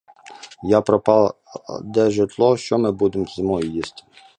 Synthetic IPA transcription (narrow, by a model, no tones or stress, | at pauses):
japɾɔpɑ | d̪ɛʒɪt̪lˠɔʃt͡ʃɔmɪbud̪emzmɔjijist̪ɪ̥